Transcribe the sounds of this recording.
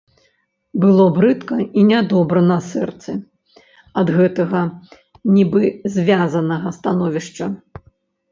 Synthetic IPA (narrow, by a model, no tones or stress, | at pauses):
bɨlˠɔbɾɨt̪kɐinʲad̪ɔbɾɐnɐsɛrt̪sɨ | ɐd̪ɣɛt̪ɐɣɐ | nʲibɨzʲvʲazɐnɐɣɐst̪anɔvʲiʂt͡ʂɐ